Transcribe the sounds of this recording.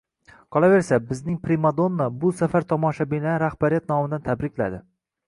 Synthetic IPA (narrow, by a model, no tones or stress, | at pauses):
qʰɒlˠave̞ɾsabɪznɪŋpɾimad̪onːabʊsafaɾt̪ʰɒmɒʃabɪnaɾahbaɾijat̪̚nɒmɪd̪ant̪ʰabɾɪkʲla̰d̪ɪ